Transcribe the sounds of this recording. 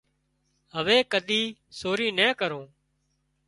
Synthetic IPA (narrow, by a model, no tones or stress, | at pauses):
ɦəʋeːkəd̪ʱiːsoːɾiːnɛ̃ːkəɾõː